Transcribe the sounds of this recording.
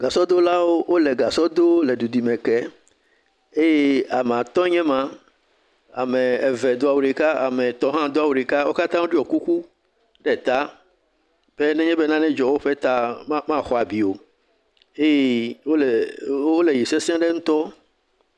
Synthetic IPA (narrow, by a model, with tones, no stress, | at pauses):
ɡ̥a˨sɔ˦d̪o˦la˦wo˦wo˦lɛ˨ɡa˨sɔ˦d̪o˦lɛ˨du˨di˨mɛ̃˨kɛ˦ | e˦je˦a˨me˨a˨t̪ɔ̃˦ɲɛ̃˦mã˦ | a˨mẽ˨ɛ˨vɛ˨d̪o˦a˨wu˨ɖi˨ka˦a˨mɛ̃˨t̪ɔ̃˦ɦã˦d̪o˦a˦˨wu˨ɖi˨ka˦wo˦ka˦t̪ã˦wo˦ɖi˦ɔ˨ku˦ku˦ | ɖɛ˨t̪a˦ | b̥ɛ˦nɛ̃˦ɲɛ̃˦be˦nã˦nɛ̃˦d͡ʒɔ˨wo˦ɸe˦t̪a˦mã˦xɔ˨a˨bi˨o˨ | e˦je˦wo˦lo˦le˨ji˨se˦si˦ã˦ɖe˦ŋũ˦t̪ɔ˦